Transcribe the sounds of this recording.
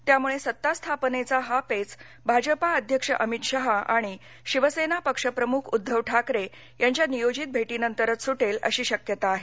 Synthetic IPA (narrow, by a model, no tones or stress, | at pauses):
t̪jamuɭesət̪ːast̪ʰapnet͡saɦapet͡s | bʱad͡ʑəpaəd̪ʱjəkʂə̰ʔəmit̪ɕaɦaʔa̰ɽ̃i | ɕiʋəsenapəkʂəpɾəmukʰud̪ʱːəʋʈʰakɾe | jaɲt͡ɕjanijod͡ʑit̪̚bʱeʈiːnənt̪əɾət͡ssuʈelə̰ɕiːɕəkjət̪aːɦe